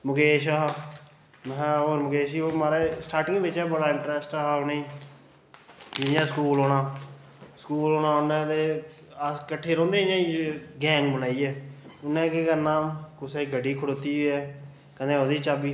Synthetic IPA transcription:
mʊkeːʃa | moːɾmʊkeːʃ̬iːoːmaːɾeːsʈaːɾʈɪ̃ŋɡʋɪt͡ʃɛːbəɽaːɪɳʈɾɛsʈːɦonẽiː | id͡ʒɛ̃ːskuːloːɽaː | skuːloːnãːʊnːɛ̃ːd̪eː | kəʈʰːeːɾɔ̃ːnd̪eːãːiɡɛ̃ːŋɡbənaːiːɛːʊnːɛ̃ːkekənaːmkʊseɡəɖiːkʰʊɽoːt̪iːɛː | kəd̪ẽːod̪iːt͡ʃaːbiː

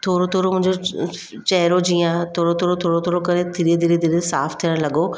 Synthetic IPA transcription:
t̪ʰoːɾot̪ʰoːɾomʊ̃ɦɪ̃ɲd͡ʒd͡ʑo | t͡ɕɛɦɾod͡ʑijãt̪ʰoːɽot̪ʰoːɾot̪ʰoːɽot̪ʰoːɽokɐɾẽt̪ʰɪɾed̪ʱiɾed̪ʱiɾesaːft̪ʰijəɽ̃lɐɡo

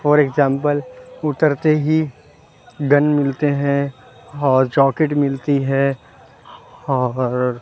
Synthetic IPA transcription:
fɔːɾeɡzãːmpəlʊt̪əɾt̪eɦi | ɡɐnmɪlt̪eɦɛ̃ | ɔːɾd͡ʒɔːkeʈmɪlt̪iɦɛ | ɔːɾɾ

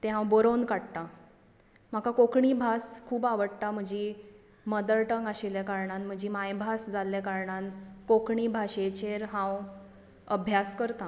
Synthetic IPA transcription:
t̪eɦãwbəɾonkaɽt̪a | m̤akakokɳiːbʱaskʰuːbaʋəɽt̪am̤əd͡ʑiː | məd̪əɭʈəŋɡaɕiljakaɾɳanm̤əd͡ʑiːmajbʱasd͡zalːakaɾɳankokɳiːbʱaɕet͡ɕeɾɦãw | əbʱjaskəɾt̪a

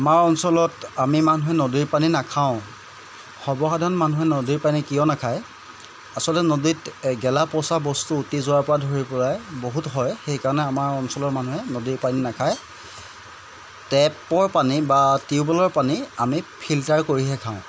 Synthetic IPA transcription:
amaɹɔnsɔlɔtamimanuɦɛnodiɹpaninakʰaʊ̃ | xɔbɔxadʱanmanuɦɛnodiɹpanikijɔnakʰaj | asɔlɔtɛnoditɡɛlapɔsabɔstuːtizʊwaɹpɔɹadʱoɹipɔlajboɦutɦɔjxejkaɹɔnɛamaɹɔnsɔlɔɹmanuɦɛnodiɹpaninakʰaj | tɛpɔɹpanibatiʊbɔlɔɹpaniamipʰiltaɹkoɹiɦɛkʰãʊ̃

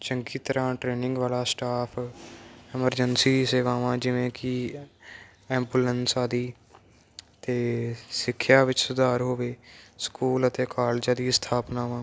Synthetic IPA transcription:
t͡ʃəŋɡiːt̪əɾãːʈɾeːnɪ̃ŋɡʋaːlaːsʈaːpʰ | ɪməɾd͡ʒənsiːseːʋaːʋãːd͡ʒɪʋẽːkɪ | ɛːmbuːlənsaːd̪iː | t̪eːsɪkʰːjaːʋɪt͡ʃsʊd̪aːɾɦoːʋeːskuːlət̪eːkaːlːd͡ʒãːd̪iːst̪ʰaːpnaːʋãː

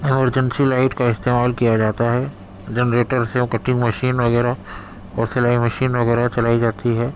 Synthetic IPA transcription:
ɪməɾd͡ʒə̃nsilaːɪʈkaɪst̪eːmaːlkijad͡ʒaːt̪aɦɛ | d͡ʒɛnɾeːʈəɾseʊkəʈʰːɪ̃ŋɡmɐʃiːnʋɐɣɛːɾa | ɔːɾsɐlaːimɐʃiːnʋɐɣɛːɾat͡ʃɐlaːid͡ʒaːt̪iɦɛː

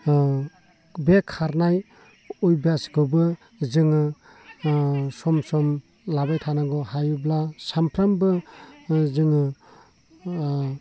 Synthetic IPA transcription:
bekʰːaɾnaj | ojbasɡɯbɯ | zɯŋɯ | sɔmsɔm | labajtʰanaɡɔhajublasampʰɾambɯ | zɯŋɯ

